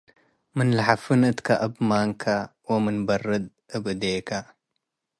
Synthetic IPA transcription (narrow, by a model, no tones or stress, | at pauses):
mɨnlaħafɨnɨt̪kʰaʔɐbmaŋkʰawomɨnbɐrːɨd̪̚ | ɨbɨd̪ekʰa